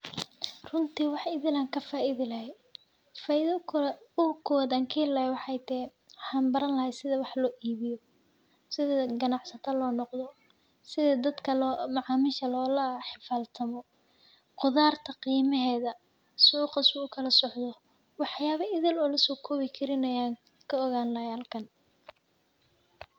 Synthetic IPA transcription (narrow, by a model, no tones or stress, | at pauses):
rʊnt̪ʰiːwɑħɪðɪlaːŋkʰɐfaːʔɪðɪlɐhɛj | faðʊkʰʊwɐd̪aːŋkʰɪlɐhwɑħɑjt̪ʰɛħɑːnbɐɾɐnlɐhɛsɪðɐwɑħlɔːʔiːβɪjɔ | sɪðɐɡɐnɑʕsɐt̪ʰɐlɔːnɔqðɔ | sɪðɐd̪ɐd̪kʰɐlɔmɐʕɑːmɪʃɐlɔːlɐħɪfaːlt̪ʰɐmɔ | qʊðaːrt̪ʰɐqiːmɐɦɛːðɐ | suːqɑsʊʊkʰɐlɐsɔʕd̪ɔ | wɑħjaːβɐʔɪðɪlɔːlɐsɔːkʰɔːβɪkʰɐɾɪnɐjaːŋ | kʰɐɔɣaːnlɐjaːlkʰɐn